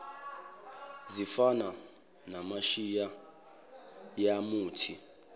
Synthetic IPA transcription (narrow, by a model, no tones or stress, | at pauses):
zifana | namaʃija | jamuːtʰi